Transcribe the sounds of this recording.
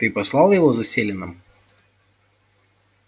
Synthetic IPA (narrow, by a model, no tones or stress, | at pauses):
t̪ɨpɐslˠɑlˠjɪvɔzɐsʲelʲɪnɨm